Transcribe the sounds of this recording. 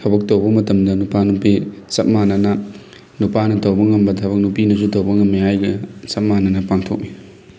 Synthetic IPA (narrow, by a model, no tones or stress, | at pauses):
hɐbɐk̚tɐwbɐmɐtɐmdɐnupanupisɐt̚manɐnɐ | nupanɐtɐwbɐŋɐmbɐtʰɐbɐk̚nupinɐsutɐwbɐŋɐmːiɦajɡɐsɐp̚manɐnɐpaŋtʰok̚mi